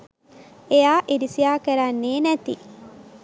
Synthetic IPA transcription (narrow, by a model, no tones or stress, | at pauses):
ejaːʔiɾisijaːkeɾanːeːnæt̪ḭ